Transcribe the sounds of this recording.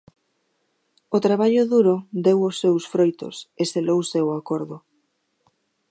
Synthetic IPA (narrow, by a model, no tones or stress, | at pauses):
ʊt̪ɾaβaʎʊðuɾʊd̪ewosːewsfɾojt̪ʊ̰seselowsewakoɾðʊ